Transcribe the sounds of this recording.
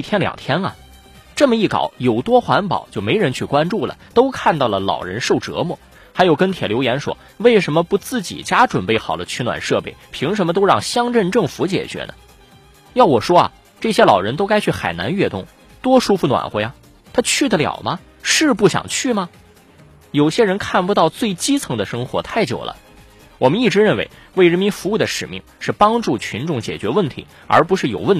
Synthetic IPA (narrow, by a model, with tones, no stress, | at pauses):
t̪ʰjɛ˥nljɑ̰˨˩ŋt̪ʰjɛ˥nɐ̰˨ | ʈ͡ʂɤ˥˩mə˩i˥˩kɑ̰˨˩˦ʊjo˨˩ʊt̪wɔ˥xwa˧˥npɑ̰˨˩ʊt͡ɕjo˥˩ʊme˧˥ɪɻə˧˥nt͡ɕʰy˥˩kwa˥nʈ͡ʂu˥˩lə̰˩t̪o˥ʊkʰa˥˧nt̪ɑ˥˩ʊlə˩lɑ̰˨˩ʊɻə̰˧˥nʂo˥˩ʊʈ͡ʂɤ̰˧˥mɔ˥˩ | xa˧˥ɪjo˨˩ʊkə˥nt̪ʰjɛ˨˩ljo˧˥ʊjɛ˧˥nʂwɔ̰˥ | we˥˩ɪʂə˧˥nmə˧pu˧˥t͡sɹ̩˥˩t͡ɕḭ˨˩t͡ɕja˥ʈ͡ʂwə˨˩npe˥˩ɪxɑ˨˩ʊd̪ə˦t͡ɕʰy˥˩nwa̰˨˩nʂɤ˥˧pe˥˩ɪpʰi˧˥ŋʂə˧˥nmə˧t̪o˥ʊɻɑ˥˩ŋɕjɑ˥ŋʈ͡ʂə˥˧nʈ͡ʂɤ˥˩ŋfu˧˥t͡ɕjɛ̰˨˩t͡ɕɥɛ̰˧˥nə̰˧ | jɑ˥˩ʊwɔ˨˩ʂwɔ˥ɐ̰˨˩ | ʈ͡ʂɤ˥˩ɕjɛ˥lɑ˨˩ʊɻə˧˥nt̪o˥ʊka˥ɪt͡ɕʰy˥˩xa˨˩ɪna̰˧˥nɥɛ˥˧t̪ʊ˥˩ŋ | t̪wɔ˥ʂu˥fu˧˩nwa̰˨˩nxwe˥˩ɪɐ˩ | t̪ʰa˥t͡ɕʰy˥˩d̪ə˩ljɑ̰˨˩ʊmɐ˦ | ʂɻ̩˥˧pu˥˩ɕjɑ̰˨˩ŋt͡ɕʰy˥˩mɐ˩ | jo˨˩ʊɕjɛ˥ɻə˧˥nkʰa˥˩npu˧t̪ɑ˥˧ʊt͡swe˥˩ɪt͡ɕi˥t͡sʰɤ˧˥ŋd̪ə˧ʂɤ˥ŋxwɔ̰˧˥t̪ʰa˥˩ɪt͡ɕjo̰˨˩ʊlə̰˦ | wɔ˨˩mə˦ni˥˩ʈ͡ʂɻ̩˧˥ɻə˥˩nwe˧˥ɪwe˥˩ɪɻə˧˥nmi˧˥nfu˧˥u˥˩d̪ə˩ʂɻ̩˨˩mḭ˥˧ŋʂɻ̩˥˩pɑ˥ŋʈ͡ʂu˥˩t͡ɕʰy˧˥nʈ͡ʂʊ˥˩ŋt͡ɕjɛ̰˨˩t͡ɕɥɛ˧˥wə˥˩nt̪ʰḭ˧˥ | ə̰˞˧˥pu˧˥ʂɻ̩˥˩jo˨˩ʊwə˥˩n